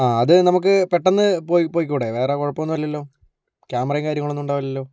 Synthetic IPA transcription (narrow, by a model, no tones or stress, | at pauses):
aːɐðɨnɐmuk̬ːɨpeʈːɐnːɨpoːjipoːjik̬ːuːɽeʋe̞ːrekoɻɐpːɐmnːuʋɐlːiɐlːo̞ː | kʲaːmɐrɐjŋkaːɾjɐŋɐɭonːuɳɖaːʋɐlːɐlːo̞ː